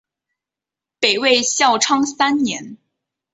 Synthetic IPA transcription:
pe˨˩ɪwe˥˧ɪɕjɑ˥˩ʊʈ͡ʂʰɑ˥ŋsa˥nnjɛ˧˥n

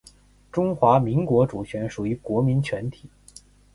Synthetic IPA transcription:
ʈ͡ʂʊ˥ŋxwa˧˥mi˧˥ŋkwɔ˧˥ʈ͡ʂu˨˩t͡ɕʰɥɛ˧˥nʂu˨˩y˧˥kwɔ˧˥mi˧˥nt͡ɕʰɥɛ˧˥nt̪ʰi˨˩˦

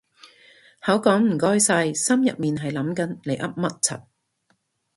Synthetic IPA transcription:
hɐ˨˥wkɔː˨˥ŋm̩˨˩kɔː˥jsɐ˧jsɐ˥mjɐ̰˨t̚miː˨nɦɐ˨jlɐ˨˥mkɐ˨˥nle˨˩jʔɐ̰˥p̚mɐ˦˥t̚t͡sʰɐ̰˨˩t̚

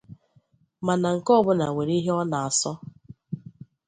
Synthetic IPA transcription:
ma˨na˨ŋ̩˨kɔ˦bʊ˦na˨we˨ɾi˦ɦe˦ɔ˦na˨a˨sɔ˦

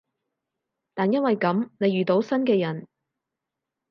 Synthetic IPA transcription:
t̪aː˨njɐ˥nwɐ˨jkɐ˨˥mne˨˧jɥyː˨t̪o˨˥wsɐ˥nkɛː˧jɐ˨˩n

